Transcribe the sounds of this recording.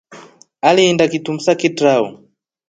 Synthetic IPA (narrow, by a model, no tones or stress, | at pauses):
aliːndakitum̩sakitɾaɔ̰